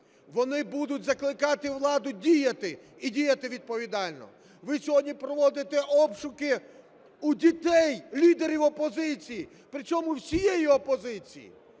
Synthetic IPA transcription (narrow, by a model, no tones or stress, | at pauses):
ʋɔnɪbud̪ʊtʲzɐklˠɪkɑt̪ɪwlˠɑd̪ʊdʲijɐt̪ɪ | idʲijɐt̪ɪʋʲid̪̚pɔʋʲid̪ɑlʲnɔ̰ | ʋɪsʲɔɦɔdʲnʲipɾɔʋɔd̪ɪt̪ɛʔɔpʃʊkɪ | udʲit̪ɛjlʲid̪eɾʲiwɔpɔzɪt͡sʲiji | pɾɪt͡ʃɔmʊwsʲijejiɔpɔzɪt͡sʲḭjḭ